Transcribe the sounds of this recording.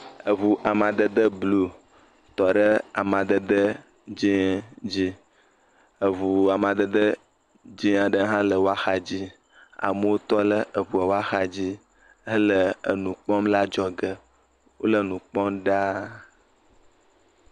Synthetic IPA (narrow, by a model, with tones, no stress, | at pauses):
ə˨βu˨ʔa˨mã˨d̪ə˦d̪ə˦blu˦ | t̪ɔ˨ɖə˦a̰˨mã˨d̪ə˦d̪ə˦ | d͡ʒi˦d͡ʑi˦ | ə˨βu˨a˨mã˨d̪ə˦d̪ə˦ | d͡ʒi˦a˨ɖə˦ɦã˦lə˨wo˦a˦xa˦d͡ʑi˦ | a̰˨mə˦wo˦t̪ɔ˦lə˦ʔə˨βu˨ə˨wo˦a˦xa˨d͡ʑi˦ | ə˦lə˨ə˨nũ˨k͡pɔ̃˦mla˦d͡ʒɔ˦ɡə˨ | wo˦lə˦˨nũ˨k͡pɔ˦mɖa˦